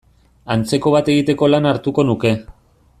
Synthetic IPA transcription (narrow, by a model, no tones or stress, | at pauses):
ant͡se̞ko̞β̞at̪e̞ɣit̪e̞ko̞lanaɾt̪uko̞nuke̞